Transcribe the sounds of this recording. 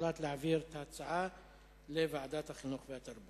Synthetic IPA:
lat̪leʕaviɾt̪at͡saʕa | levaʕad̪at̪haχinuχveat̪aɾbu

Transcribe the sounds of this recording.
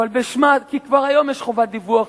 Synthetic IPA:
albeʃmakikvaʁajo̞mjeʃχovat̚d̪ivuaχ

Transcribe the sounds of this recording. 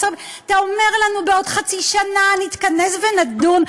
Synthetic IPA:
sob | at̪aome̞ʁlanubeo̞dχat͡siʃananit̪kanesvenadun

